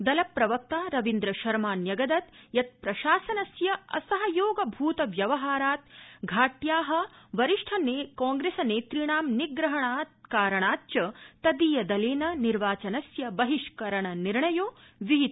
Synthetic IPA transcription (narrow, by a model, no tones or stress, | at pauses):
d̪ɐlɐpːɾɐʋɐk̚t̪aːɾɐʋind̪ɾɐʃɐɾmaːnjɐɡɐd̪ɐt̪jɐt̪̚pɾɐʃaːsɐnɐsjɐɐ̰sɐɦɐjoːɡɐbʱuːt̪ɐʋjɐʋɐɦaːɾaːt̪̚ɡʱaːʈjaːɦɐ̆ʋɐɾiʂʈʰɐneːkaːŋɡɾeːsɐneːt̪ɾiɳaːmniɡɾɐɦɐɳaːt̪kaːɾɐɳaːt͡ʃɐt̪ɐd̪iːjɐd̪ɐleːnɐniɾʋaːt͡ʃɐnɐsjɐbɐɦiʂkɐɾɐɳɐniɾɳɐjoːʋiɦit̪